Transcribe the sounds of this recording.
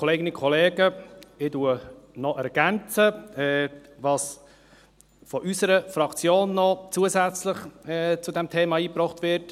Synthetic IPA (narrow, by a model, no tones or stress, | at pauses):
kʰɔleːɡɪnikʰɔleːɡəɪduənɔʔɛɾɡ̥ænt͡səɛʋɑːs | fɔʔysəɾəfɾɑkt͡sjoːnːɔt͡suəsæt͡slɪχɛt͡sudɛmtʰeːmɑiːpɾɔχtʋɪɾt